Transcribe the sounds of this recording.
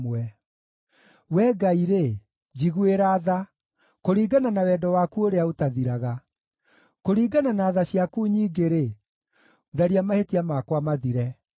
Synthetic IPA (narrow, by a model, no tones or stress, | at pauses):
ɛ | wɛɡaiɾe | d͡ʒiɣueɾaːða | koɾiːɡananawɛdɔwaːkuoɾeaotaðiɾaɣa | koɾiːɡananaːðaɕjakuɲiːɡeɾe | ðaɾiamahetiamakwamaðiɾɛ